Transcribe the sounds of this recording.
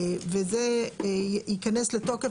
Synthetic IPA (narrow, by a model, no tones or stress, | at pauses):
veze | ikanesletoke